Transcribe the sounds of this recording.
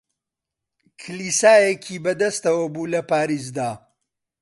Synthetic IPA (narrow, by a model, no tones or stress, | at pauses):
kʰɨlisaːjekʰiːbɐd̪ɐst̪ɐwɐbuːlɐpaːɾiːs̬d̪aː